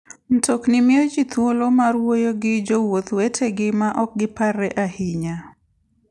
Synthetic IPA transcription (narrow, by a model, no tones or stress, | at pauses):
n̩tʰoknɪmɪod͡ʒit̪wolomaɾwojoɡɪd͡ʒowot̪wetʰeɡɪmaʔɔk̚ɡɪparɛʔahiɲa